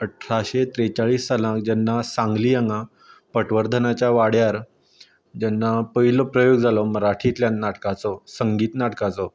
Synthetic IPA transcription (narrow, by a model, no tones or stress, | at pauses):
əʈʰɾaɕet̪ɾet͡saɭiːstalãk̚d͡ʑɛnːasãŋɡliːjəŋɡa | pəʈʋəɾd̪ʱənat͡ɕjaʋaɽjaɾ | d͡ʑanːapəɦilɔpɾəjoɡd͡zʱalɔməɾaʈʰiːt̪ljanːaʈkat͡sɔsəŋɡiːt̪naʈkat͡sɔ